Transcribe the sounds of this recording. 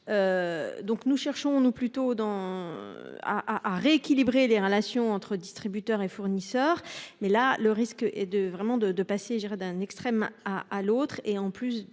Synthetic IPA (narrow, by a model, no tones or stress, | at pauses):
ød̪ɔ̃knuʃɛʁʃɔ̃nuplyt̪od̪ɑ̃ | a̰ʔaʔaʁeːkʲilibʁeleʁəlasjɔ̃ɑ̃t̪χəd̪ist̪χibyt̪œʁefuʁnisœːʁmɛlaləʁiskɛd̪əvʁɛmɑ̃d̪əd̪əpaseʒd̪iʁɛd̪ɛ̃nɛkst̪χɛmaʔalot̪χeɑ̃plys